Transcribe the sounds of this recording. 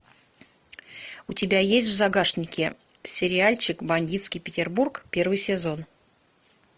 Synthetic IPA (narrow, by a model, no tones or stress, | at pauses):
ʊtʲɪbʲajesʲtʲvzɐɡaʂnʲɪkʲɪ | sʲɪɾʲɪalʲt͡ɕɪkbɐnʲdʲit̪skʲijpʲɪtʲɪrburkpʲe̞rvɨjsʲɪzo̞n